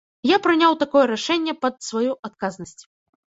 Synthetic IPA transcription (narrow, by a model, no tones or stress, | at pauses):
japɾɨnʲawt̪akɔjɛɾaʂɛnʲːɛpɐd̪svajuʔat̪kaznɐsʲt͡sʲ